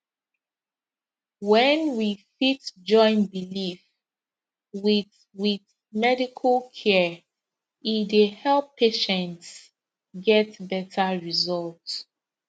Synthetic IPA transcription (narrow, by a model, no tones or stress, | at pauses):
wɛ̃nwifitd͡ʒɔ̃ɪ̃nbilif | wiθ | wið | mɛdikʰəlkʰɛ | idehɛlˠpʰːeʃɛ̃nts | ɡɛtbɛtʰaɹizɔlt